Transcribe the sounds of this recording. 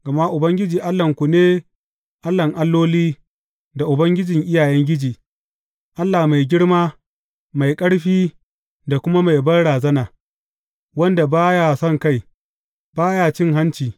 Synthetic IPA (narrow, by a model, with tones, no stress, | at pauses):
ɡ̥ɐ˨ma˦ʔʊ˨bɐ˦ŋɡʲɪ˦d͡ʒiː˨ʔa˦lːɐ˨ŋkʷu˨neː˦ | ʔa˦lːɐ˨ŋʔa˦lːoː˦liː˦ | da˨ʔʊ˨bɐ˦ŋɡʲɪ˦d͡ʒɪ˨ŋʔɪ˦jaː˨jɛ˦ŋɡʲɪ˦d͡ʒiː˨ | ʔa˦lːaː˨ma˨jɡʲɪ˦ɽmaː˦ | ma˨jkʼɐ˦ɽɸiː˦ | da˨kʷʊ˦ma˦ma˨jbɐ˦ɽaː˨zɐ˦naː˨ | wɐ˦nda˨baː˦ja˦˨sɔ˦ŋka˦˨j | baː˦jaː˦˨t͡ʃɪ˦˨ŋɦa˦nt͡ʃiː˨